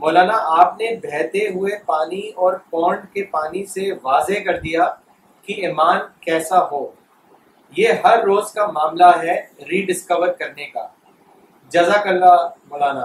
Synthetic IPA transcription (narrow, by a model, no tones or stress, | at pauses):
moːlaːnaʔaːpnebʱɛːt̪eɦʊepaːniɔːɾpɔ̃ːɳɖkepaːniseʋaːzekɐɾd̪ija | kiɪmaːnkɛːsaɦoː | jeːɦɐɾːoːzkamaːmlaɦɛɾiːɖɪskəʋəɾkɐɾneka̰ː | d͡ʒɐzakɐamoːlaːnaː